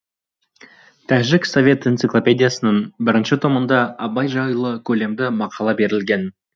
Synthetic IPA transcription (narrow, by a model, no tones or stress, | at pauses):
t̪ʰæʒɪkso̞vʲe̞t̪ent̪siklˠo̞pʲe̞d̪ʲijasənəɴbɪɾɪnʃɪt̪ʰo̞mənd̪ɑɑbɑjʒɑjlˠəkʲʰɵle̞md̪ɪmɑqʰɑlˠɑbe̞ɾɪlɡʲe̞n